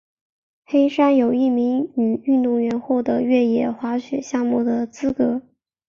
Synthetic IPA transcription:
xe˥ɪʂa˥njo˨˩ʊi˥˩mi˧˥ŋy˨˩y˥˧nt̪ʊ˥˩ŋɥɛ˧˥nxwɔ˥˩d̪ə˧˥ɥɛ˥˩jɛ˨˩xwa˧˥ɕɥɛ̰˨˩ɕjɑ˥˧ŋmu˥˩d̪ə˩t͡sɹ̩˥kɤ˧˥

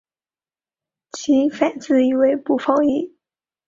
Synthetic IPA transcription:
t͡ɕʰi˧˥fa˨˩nt͡sɹ̩˥˩i˨˩we˧˥ɪpu˨˩fɑ˥ʊi˥˩

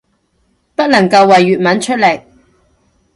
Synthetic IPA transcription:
pɐ˥t̚lɐ˨˩ŋkɐ˧wːɐ˨jːyː˨t̚mɐ˨˥nt͡ʃʰɵ˥t̚le˨˩j

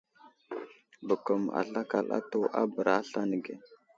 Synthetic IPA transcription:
bə˨kə˨ma̰˨ɬa˦ka˨la̰˦to˦ʔa˦bə˨ɾa˦ɬa˦nə˨ɡe˨

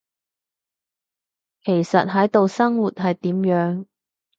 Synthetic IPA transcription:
kʰe˨˩jsɐ̰˨t̚ɦɐ˨˥jt̪o˨wsɐ˥ŋwuː˨t̚ɦɐ˨jt̪iː˨˥mjœː˨˥ŋ

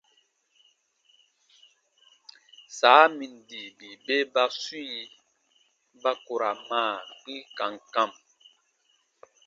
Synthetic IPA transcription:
saː˨˦mi˨n˨di˨bi˨be˦ba˦si˦i˦ | ba˦ko˨ɾa˨maː˦˨k͡pi˦ka˨ŋ˨ka˦˨m

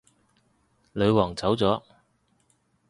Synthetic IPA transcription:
lɵ˨˧ɥwɔː˨˩ŋt͡sɐ˨˥wt͡sɔː˨˥

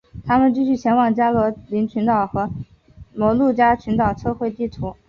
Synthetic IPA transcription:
t̪ʰa˥mə˨nt͡ɕi˥˧ɕy˥˩ɕjɛ˧˥nwɑ˨˩ŋt͡ɕja˥lwɔ˧˥li˧˥nt͡ɕʰy˧˥nt̪ɑ˨˩ʊxɤ˧˥ | mɔ˧˥ʊlu˥˩t͡ɕja˥t͡ɕʰy˧˥nt̪ɑ˨˩ʊt͡sʰɤ˥˧xwe˥˧ɪt̪i˥˩t̪ʰu˧˥

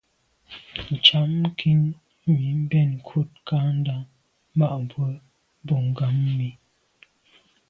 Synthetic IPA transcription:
n̩˨t͡ʃa˨˦m˦kʰi˦n˦ | mi˨˦m̩˦bɛ˦˨n˨kʰu˦˨t̚ka˦n̩˦da˨˦ŋ | ma˦˨ʔm˨bwə˦ | bɔ˦˨ŋ˨ɡa˨˦mː˦i˨˦

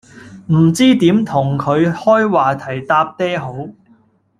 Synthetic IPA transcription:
m̩˨˩t͡siː˥t̪iː˨˥mt̪ʰʊ˨˩ŋkʰɵ˨˧ɥhɔː˥jwaː˨˩t̪ʰɐ˨˩jt̪aː˧p̚t̪ɛː˥ɦo˨˥w

